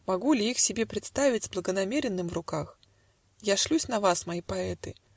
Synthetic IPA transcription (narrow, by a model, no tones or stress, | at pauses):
mɐɡulʲɪixsʲɪbʲe̞pɾʲɪt̪st̪avʲɪtʲzblˠəɡənɐmʲeɾʲɪnːɨmvrʊkax | jaʂlʲusʲnɐvasmɐipɐɛt̪ɨ